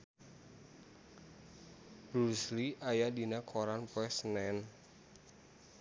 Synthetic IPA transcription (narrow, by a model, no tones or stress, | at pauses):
b̥ɾusliʔajadinakʰoɾanpɔɛsənɛn